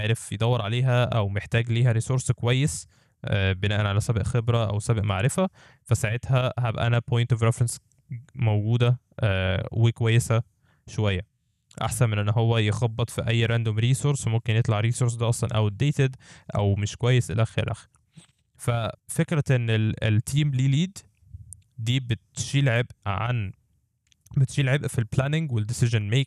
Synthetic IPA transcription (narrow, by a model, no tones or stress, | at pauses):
eʕɾefjed̪ˤɑwːeɾʕaleːɦæʔæwmeħt̪æːɡliːɦæɾiːsoɾskowæjːes | ʔbenæːʔænʕalæsæbʔxebɾæʔæ̰wsæbʔmaʕɾefæ | fæsaʕet̪hæhæbʔæ̰ʔænæpojnt̪ofɾefɾens | moɡuːd̪æ | ʔwekowæjːesæ | ʃowæjːæ | ʔa̰ħsænmenʔenːɦowːæjexɑbːet̪ˤfiʔæjːɾænd̪omɾiːsoɾsmomkenjet̪ˤlaʕɾiːsoɾsd̪æʔɑsˤlɑ̰nʔæ̰wed̪ːeːt̪ed̪ʔæ̰wmeʃkowæjːesʔḛlæxḛɾelʔæ̰xe̥ɾi | fæfekɾæʔenːelelt̪ʰiːmliːliːd̪ | d̪iːbet̪ʃiːlʕebʔʕa̰n | bet̪ʃiːlʕebʔfilplænɪŋɡweld̪esɪʒenmeːk̚